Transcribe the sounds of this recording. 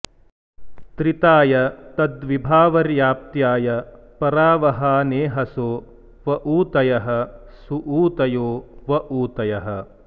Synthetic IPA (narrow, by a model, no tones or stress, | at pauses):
t̪ɾit̪aːjɐt̪ɐd̪ʋibʱaːʋɐɾjaːp̚t̪jaːjɐpɐɾaːʋɐɦaːneːɦɐsoː | ʋɐʔuːt̪ɐjɐɦɐ̆suʔuːt̪ɐjoːʋɐʔuːt̪ɐjɐɦɐ̆